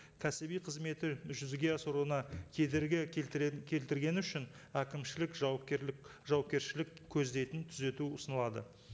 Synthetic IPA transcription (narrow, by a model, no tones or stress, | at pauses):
kʲʰæsɪbijqʰəzme̞t̪ɪʒʏzɡʲe̞ɑsəɾuənɑkʲʰe̞d̪eɾɡʲɪkʲʰe̞lt̪ɪɾɡʲe̞nʏʃɪnækʲɪmʃɪlɪkʒpʒɑwɑpkʲe̞ɾʃɪlɪkʲʰːɵzd̪e̞jt̪ɪnt̪ʰʏze̞t̪uʊsənəlˠɑd̪ə̰